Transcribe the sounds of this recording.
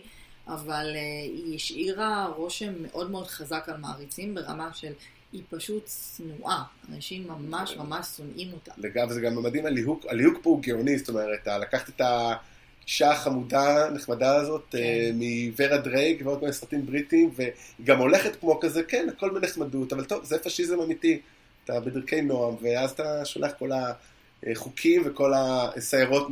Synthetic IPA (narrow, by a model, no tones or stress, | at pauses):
ʔavaleiiʃiʁaʁo̞ʃemːe̞ʔo̞dme̞o̞dχazakalmaaʁit͡simbe̞ʁa̰maʃe̞l | ipaʃutsnuʔaanaʃimːamaʃmamaʃsonʔimo̞ta̰leɡavzeɡamamadimaliɦuɡalihuɡ̚pouɡeonisoto̞meʁet̪alakaχt̪eta | ʃaχamudaneχmadaːzo̞temiveʁadʁejɡvotmeesʁatimbʁitimveiɡamo̞le̞χetkmo̞kazekenako̞lbeneχmadutavalto̞vzefaʃizemamiti | atabediʁke̞jno̞amveazataʃolaχko̞la | χukʰimveko̞lasajaʁo̞t